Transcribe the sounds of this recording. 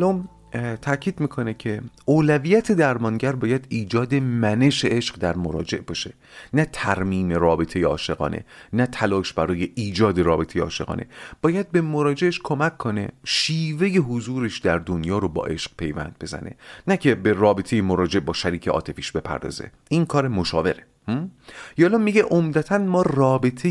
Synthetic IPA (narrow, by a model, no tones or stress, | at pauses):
lɒːm | t̪ʰæcʰiːd̪miːkʰo̞ne̞cʰe̞ʔoːlæviːjæt̪ʰe̞d̪æɾmɒŋɟæɾbɒːjæd̪iːd͡ʒɒːd̪e̞mæne̞ʃeʔeʃɢd̪æɾmoɾɒːd͡ʒe̞ʔbɒːʃe̞ | næt̪ʰæɾmiːme̞rɒːbe̞t̪ʰe̞jeɒːʃe̞ɣɒ̰ːnʔe̞̰næt̪ʰælɒːʃbæɾɒːje̞ʔiːd͡ʒɒːd̪e̞ɾɒːbe̞t̪ʰejeɒːʃe̞ʁɒ̰ːnʔe̞̰b̥ɒːjæd̪̚be̞moɾɒːd͡ʒe̞ʔeʃkʰo̞mækʰːo̞ne̞̰ʃiːve̞je̞ɦozuːɾeʃd̪æɾd̪onjɒːɾobɒ̰ːʔe̞ʃq̚pʰe̞jvæ̰nd̪̚be̞zæ̰ne̞̰næcʰe̞berɒːbe̞t̪ʰe̞jemoɾɒːd͡ʒeʔbɒːʃæɾiːcʰeʔɒ̰ːt̪ʰe̞fiːʃbe̞pʰæ̰ɾd̪ɒ̰ːze̞̰ | iŋkʰɒːɾemo̞ʃɒːve̞ɾe | jɒːlɒmːiɟeʔomd̪æt̪ʰænmɒːrɒːbe̞t̪ʰe